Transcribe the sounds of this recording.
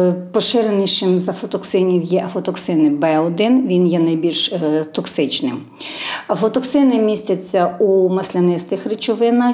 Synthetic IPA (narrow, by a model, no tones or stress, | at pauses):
pɔʃɪɾenɪʃɪmzɐfɔt̪ɔksɪnʲiwjɛʔɐfɔt̪ɔksɪnɪbɛɔd̪ɪnʋʲinjɛnɐjbʲilʲʃt̪ɔksɪt͡ʃnɪm | ɐfɔt̪ɔksɪnɪmʲisʲtʲɐt͡sʲːɐumɐsʲlʲɐnɪst̪ɪxɾɪt͡ʃɔʋɪnɐ